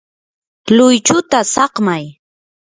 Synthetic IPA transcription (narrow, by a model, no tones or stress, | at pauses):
lʊjt͡ʃʊt̪asɑqmaj